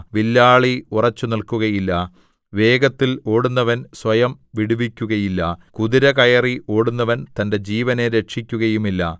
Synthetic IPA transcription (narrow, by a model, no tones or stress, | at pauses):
ʋilːaːɭiurɐt͡ɕːunilkuɣɐjilːɐ | ʋe̞ːɡɐt̪ːilo̞ːɽunːɐʋɐnsʋɐjɐmʋiɽuʋikʲːuɣɐjilːɐkuðiɾɐkɐjɐriʔo̞ːɽunːɐʋɐnt̪ɐnde̞d͡ʑiːʋɐne̞ɾe̞ʂikʲːuɣɐjumilːɐ